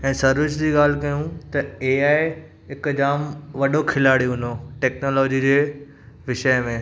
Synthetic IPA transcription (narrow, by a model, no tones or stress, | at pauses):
ɛ̃ːsɐɾʋɪʃd͡ʑiːɠaːl̤kɐjũt̪ɐeːaːɪ | ɦɪkd͡ʑaːmʋɐɗokʰɪlaːɽijõɦɪ̃noʈeːknoːlɔːd͡ʑid͡ʑeː | ʋɪʃəjmẽː